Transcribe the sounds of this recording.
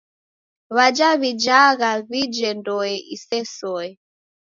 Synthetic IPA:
βad͡ʒaβid͡ʒaɣaβid͡ʒɛndɔɛisɛsɔɛ

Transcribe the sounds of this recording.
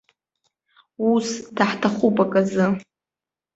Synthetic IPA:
usdaħtʰaχupʼakʼazɨ

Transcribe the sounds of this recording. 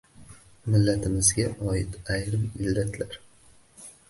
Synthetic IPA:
mɪlːat̪ʰɪmɪzɡʲaʔɒɪt̪ajɾɪmɪlːat̪ʰlaɾ

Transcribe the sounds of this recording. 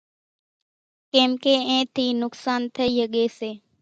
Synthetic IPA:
kẽːmkeːẽːt̪ʰiːnʊksaːnt̪ʰəiːɦəɠeːseː

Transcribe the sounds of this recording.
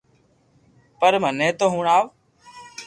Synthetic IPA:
pəɾmənẽːt̪oːɦũːɳaːʋ

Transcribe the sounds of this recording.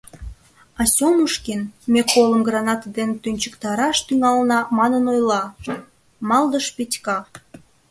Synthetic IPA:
ɑsʲoməʃkinmekoləmɡrɑnɑt̪d̪ent̪ynʲt͡ɕəkt̪ɑɾɑʃt̪yŋɑlnɑmɑnənojlɑ | mɑld̪əʃpit̪ʲkɑ

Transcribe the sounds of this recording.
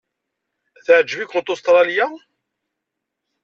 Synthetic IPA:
θəʕəd͡ʒːəvikʷːot̪ˤʊst̪ɾˤɑlja

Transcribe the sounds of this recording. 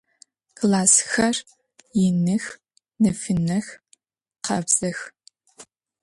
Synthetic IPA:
kʰlaːsxɐr | jɪnɨx | nɐfɨnɐx | qɐbz̥ɐx

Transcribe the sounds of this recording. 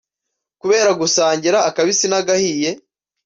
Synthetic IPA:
kuβe̞ːɾaɡusaːɲɟiɾaːkaβisinaɡahije̞

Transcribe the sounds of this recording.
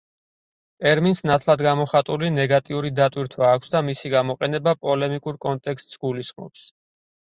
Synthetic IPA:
t̪ʼɛɾminsnat̪ʰlˠad̪ɡamɔχat̪ʼulinɛɡat̪ʼiuɾid̪at̪ʼwiɾt̪ʰwaːkʷʰsd̪amisiɡamɔqʼɛnɛbapʼɔlɛmikʼuɾkʼɔnt̪ʼɛkʰst̪ʼsɡulisχmɔ̰ps

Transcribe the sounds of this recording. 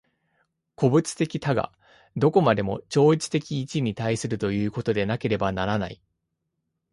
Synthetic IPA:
ko̞bɯ̟t͡sɨ̥t̪e̞kʲit̪aɡa̰ | d̪o̞ko̞mad̪e̞mo̞̰t͡ɕo̞ːit͡sɨ̥t̪e̞kʲiːt͡ɕiɲ̟it̪aisɨɾɯ̟t̪o̞jɯ̟ːko̞t̪o̞d̪e̞nake̞ɾe̞banaɾana̰ḭ

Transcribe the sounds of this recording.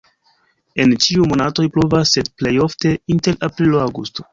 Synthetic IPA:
e̞nt͡ʃiumo̞nato̞jpɾovasːe̞dple̞jo̞fte̞inte̞ɾʔapɾiloawɡusto̞̥

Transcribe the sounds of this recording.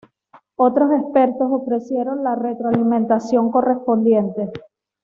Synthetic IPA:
o̞t̪ɾo̞se̞spe̞ɾt̪o̞so̞fɾe̞sje̞ɾo̞nlare̞t̪ɾoalimẽ̞nt̪asjo̞ŋko̞re̞spo̞nd̪je̞nt̪e̞

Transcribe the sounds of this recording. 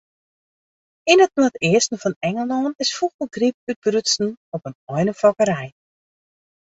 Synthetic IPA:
ɪnətnuətɪəstn̩fɔnɛŋəlˠɔːnɪsfuɣbəɡrip̚yt̚brytsn̩ɔpənɔjnəfɔkəɾɛj

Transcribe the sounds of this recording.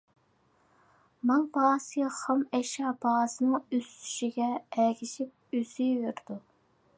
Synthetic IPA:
mɑŋbɑːsəχɑmɛʃɑbɑsɨnɨŋøst̪ʰy̥ʃiɡʲɛɛkʲʰiʃip̚yz̥yveɾɪd̪̥u

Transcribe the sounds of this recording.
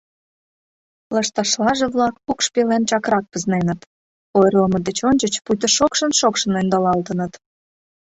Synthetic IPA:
lɑʃt̪ɑʃlɑʒeβlɑkukʃpelent͡ɕɑkrɑk̚pəznenət̪ | ojrləməd̪et͡ɕonʲt͡ɕət͡ɕpujt̪əʃokʃənʃokʃənend̪ɑlɑlt̪ənət̪

